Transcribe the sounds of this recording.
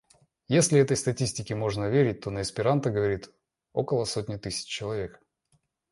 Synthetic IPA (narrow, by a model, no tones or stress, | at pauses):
jesʲlʲɪɛt̪əjst̪ɐtʲisʲtʲɪkʲɪmo̞ʐnəvʲeɾʲɪt̚ʲt̪o̞nəɪspʲɪɾant̪əɡəvɐɾʲit̪ | o̞̰kəlˠəsotʲnʲɪt̪ɨsʲɪ̥t͡ɕt͡ɕːɪlˠɐvʲe̞k